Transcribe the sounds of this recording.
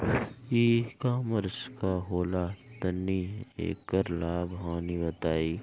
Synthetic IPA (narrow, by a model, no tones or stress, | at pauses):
iːkaːməɾskaɦoːlat̪ɐnːiḛːkːəɾlaːbɦãːnibɐt̪aːiː